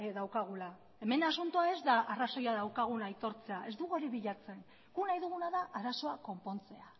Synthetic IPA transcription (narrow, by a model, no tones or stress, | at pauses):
eðawkaɣ̞ula | e̞me̞nasunt̪uae̞zd̪aʔaraso̞jaðawkaɣ̞unajt̪o̞ɾt͡se̞aʔe̞zd̪uɣuoɾiβiʎat͡se̞n | ɡ̥unajðuɣunaðaʔaɾaso̞ako̞mpo̞nt͡se̞a